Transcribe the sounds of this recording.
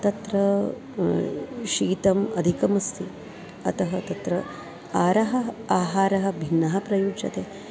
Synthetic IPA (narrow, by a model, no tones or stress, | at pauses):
t̪ɐt̪ɾɐ | ʃiːt̪ɐmɐd̪ʱikɐmɐst̪ʰi | ɐ̰t̪ɐɦɐt̪ɐt̪ɾɐ | aːɾɐɦɐ̆aːɦaːɾɐɦɐ̆bʱinːɐɦɐpɾɐjuːd͡ʒɐ̰t̪eː